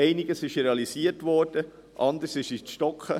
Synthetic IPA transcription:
ɛɪnɪɡəsɪʃɾeɑlisiəɾtʋɔːɾd̥ə | ʔɑnd̪əɾsɪʃiʃtɔkχə

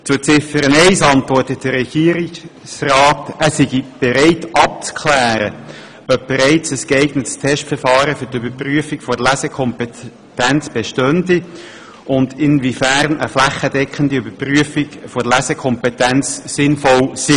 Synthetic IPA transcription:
t͡sʊt͡sɪfəɾəneɪsɑntʋɔɾtət̚d̥əɾɛɡ̥iːəɾɪk | srɑːtæsiɡib̥ɛɾeɪtʔɑp̚t͡skʰlæːɾə | œp̚b̥eɾeɪt͡səsɡ̥eɪɡnətstʰɛʃtfəɾfɑːɾəfʏtybəpryəfiɡ̥fɔɾlæsəkʰɔmpe | tænt͡sb̥eʃtœndi | ʔʊndɪnvifæɾnəflæχədɛkχəndiybəpryəfifɔdlæsəkʰɔmpɛtænt͡ssɪnfɔlsi

